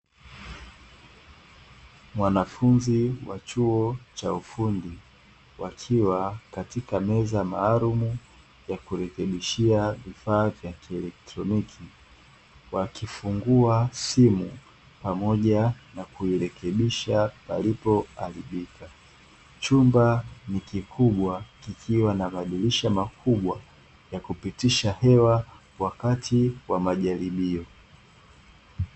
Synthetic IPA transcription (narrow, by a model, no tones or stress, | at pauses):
mwanafunziwat͡ʃuɔt͡ʃaufundi | wakʰiwakatikamɛzamaːlumu | jakuɾɛkɛɓiʃiavifaːvjakiɛlɛk̚tɾɔnikʰi | wakifuŋɡuasimu | pamɔʄanakuiɾɛkʰɛɓiʃapa̰lipɔaɾiɓikʰa | t͡ʃumbanikikʰuɓwakikʰiwanamaɗuliʃamakʰuɓwa | jakupitiʃahɛwa | wakatʰiwamaʄaɾiɓiɔ